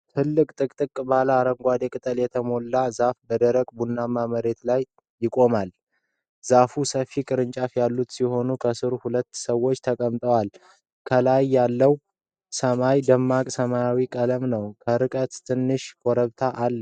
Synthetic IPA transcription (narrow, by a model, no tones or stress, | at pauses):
t̪ʰɨlːɨkʼt̪ʼɨkʼt̪ʼɨkʼːbalaːɾəŋɡʷad̪ekʼɨt̪ʼəljɛt̪ʰəmo̞lːazafbəd̪əɾəkʼbunːamaməɾe̞t̪lajː | ɪkʼo̞mal | z̥afusəfikʼɨɾɨnt͡ʃʼafjalːut̪siho̞nukʰəsɨɾuhulət̪ːsəwːo̞t͡ʃːt̪ʰəkʼəmt̪ʼəwal | kʰəlajːalːəw | səmajd̪əmːakʼsəmajawikʼələmnəwkʰəɾɨkʼət̪t̪ʰɨnːɨʃkʼɔɾəβt̪ʰaʔalː